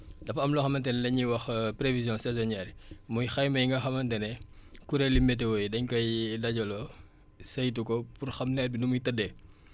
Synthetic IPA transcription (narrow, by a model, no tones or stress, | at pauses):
dɐfɐɐmlɔxɐmɐntɛnɛlɐɲiwɐxpɾevizjɔ̃sɛzɔnɛːrmujxɐjmɐjŋɡɐxɐmɐntɛnɛkuɾelimɛt̬ɛwojdɐɲkɐjdɐɟɔlɔ | sɐjtukɔpurxɐmnɛːt̚binumujtɐdːɛ